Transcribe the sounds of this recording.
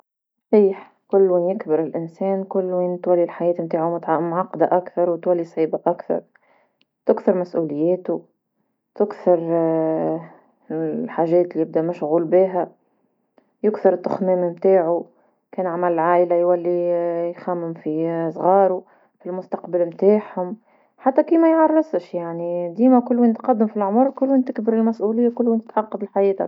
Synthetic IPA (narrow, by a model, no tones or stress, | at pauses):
sˤħiːħ | kʊlːwinjɪkbɪɾɪlʔɪnsɛːnkʊlːwint̪walːilħajɛːt̪mt̪aːʕumʊt̪ʕmʕɑqːd̪aʔakθɑɾˤwt̪walːisˤʕiːbaʔakθɑ̰ɾˤ | t̪ɪkθɑɾmæsʔuːlɪjːɛːt̪u | t̪ɪkθɪɾ | lħaːʒɛːt̪lijɪb̚d̪æmʊʃɣuːlbiːɦæ | jʊkθɪɾɪt̪ːʊxmæːmimt̪aːʕu | kɛːnʕamælɪlʕaːʔɪlajwælːijxæmːʊmfisˤɣɑːɾu | filmʊst̪ɑqbɪlmt̪aːħhʊm | ħat̪ːækiːmæjʕɑrˤːɑsˤəʃjaʕnid̪iːmækʊlːwint̪qɑd̪ːɪmfilʕʊmʊɾkʊlːwint̪ɪkbɪɾɪlmæsʔulɪjːakʊlːwint̪ɪ̥t̪ʕɑqːɑd̪ˤɪlħajiːt̪a̰